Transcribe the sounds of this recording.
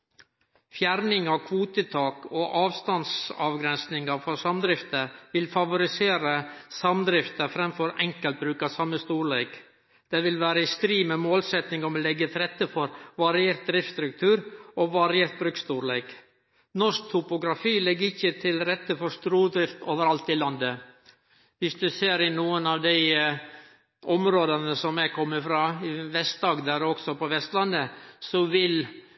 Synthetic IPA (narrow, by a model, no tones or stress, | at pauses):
fjæɾnɪŋɑkʰʋuːt̪ət̪ʰɑːkoːʔɑːʋst̪ɑnsɑ̰ʋɡɾɛnsnɪŋəfɔsɑmd̪ɾɪft̪əʋɪlfɑʋʊɾɪseːɾəsɑmd̪ɾɪft̪əfɾɛmfɔɾɛ̰ŋkəlt̪̚bɾʉːkɑsɑmːəst̪uːɾɭeːk | d̪̥eːʋɪlʋæːɾəɪst̪ɾiːmeːmoːlsɛt̪nɪŋɔʋɪlːɛɡət̪ʰɾɛt̪ːəfɔɾʋɑɾɪeːɾt̪̚d̪ɾɪft̪st̪ɾʉk̚t̪ʰʉːɾɔʋɑɾɪeːɾt̪̚bɾʉkst̪uːɾɭeːk | nɔʂk̚t̪ʰʊpʊɡɾɑfiːlɛɡːəɾɪçːət̪ʰɪlɾɛt̪ːəfɔɾʂt̪ɾuːd̪ɾɪft̪oːʋəɾɑlt̪ɪlɑnd̪ə | ʋɪsd̪ʉseːɾɪnuːənɑʋd̪æɪ | ʔɔmɾoːd̪ənəsɔmæɪkʰɔmːəfɾɑːɪʋɛst̪̚d̪ɑːɡd̪æːɾɔksɔpɔʋɛst̪lɑnd̪əsɔʋɪl